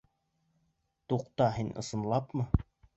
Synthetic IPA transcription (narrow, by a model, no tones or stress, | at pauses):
t̪uqt̪ɑɦinʔɤ̰̆sɤ̆nlˠɑpmɤ